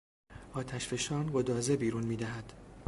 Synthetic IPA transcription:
ʔɒːt̪ʰæʃfe̞ʃɒːnɢod̪ɒːzebiːɾunmiːd̪æɦæd̪̥

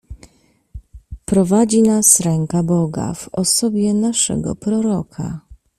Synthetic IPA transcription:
pɾɔvad͡ʑinasɾɛŋkabɔɡa̰vɔsɔbʲjɛnaʂɛ̰ɡɔ̰pɾɔɾɔkʰa̰

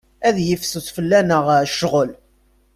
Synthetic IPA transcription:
æðjəfsuθfəlːænəʁʃəʁəl

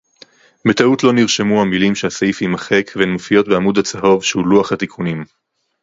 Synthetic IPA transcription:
met̪autlo̞niʁʃemuhamilimʃehasaifimaχekvenmofijo̞t̚beamud̪hat͡saɦo̞vʃehuluaχhat̪ikʰunim

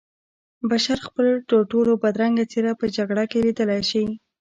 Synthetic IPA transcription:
baʃaɾxpəlʈoʈolobad̪ɾaŋɡat͡seɾapəd͡ʒaɡɽakelid̪əlajʃi

